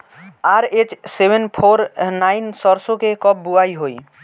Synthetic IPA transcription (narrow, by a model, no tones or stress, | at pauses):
aɾet͡ʃsebʱenpʰoɾnajnsɔɾsokekɔbbuajɦoj